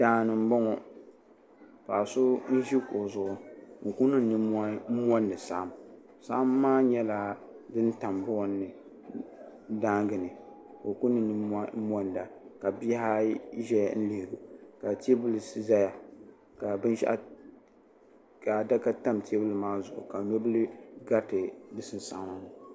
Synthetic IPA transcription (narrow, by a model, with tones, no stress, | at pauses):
d̥aː˦˨nɨ˨m̩˦bɔ˦ŋɔ˨ | pa˨sʊ˦n̩˦ʒi˦ko˨zʊ˨ʊ˨o˨ku˦nɨ˦˨nɨ˦a˦m˦ɔ˦ndɨ˨sa̰˦ʔa˨m | sa˦a˦mːaː˦ɲɛ˦la˨ | dɨ˦n˦ta˨mbʊ˦˨nː˦ɨ˨ | daː˦ŋɡɨ˨nɨ˨ | o˨ku˦nːɨ˦nɨ˦a˦mɔ˦nda˨ka˨bi˦a˦ʒɛ˦j̰n̩˦li˨hɡu˨ka˨te˦bɨ˦lɨ˨sɨ˦za˦ja˨ | ka˨bɨ˦nʃa̰˦ʔ | ka˨da˦ka˦ta˦mtʰe˦bɨ˦lɨ˨maː˦zʊ˨ʔʊ̰˨ka˨no˦bɨ˦lɨ˦ɡa˦tɨ˨bɨ˦sɨ˦n˨sa̰˨˦ma˨m˨